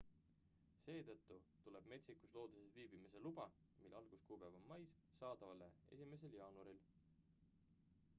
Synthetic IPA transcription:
se̞ːt̪ɤt̪ˑːut̪ule̞b̥me̞t̪sikuslo̞ːd̪̥usesviːb̥imise̞lubɑ | milːɑlɡ̥uskuːpæːvonmɑjs | sɑːd̪ɑvɑlḛe̞̰s̬ʲime̞s̬e̞ljɑːnuɾil

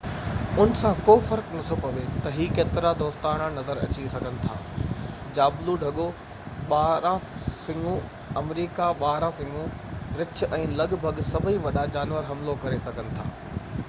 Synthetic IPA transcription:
ʊnɪ̆sãkoːfɐɾknɐt̪ʰopɐʋet̪ɐɦiːkeːt̪ɪɾad̪oːst̪aːɽ̃ãnɐzəɾɐ̰t͡ɕisɐɡʱənɪ̆t̪ʰa̰ː | d͡ʑaːbluɖʱɐɠo | ɓaːɦɾãsɪ̃ŋɡũ | ɐmɾiːkaɓaːɦɾãsɪ̃ŋɡũ | ɾɪt͡ɕʰʔɛ̃ːlɐɠbʱɐɠsɐbʱəiʋɐɗad͡ʑaːnʋəɾɦɐmlokɐɾesɐɡʱənɪ̆t̪ʰa̰ː

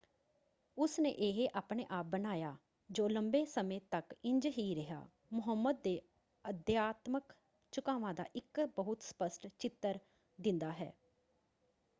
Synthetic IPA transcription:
ʊsnḛːʔeːɦeʔaːpɳeːʔaːp̚bənaːjaː | d͡ʒoːləmbeːsəmẽːt̪əkɪɲd͡ʒɦiːɾɪɦa̰ː | mʊɦəmːəd̪̚ːeː | əd̪jaːt̪mək | t͡ʃʊkaːʋãːd̪a̰ːʔɪkbəɦʊt̪spəsʈt͡ʃɪt̪ːəɾ | d̪ɪ̃nd̪aːɦɛ̰ː

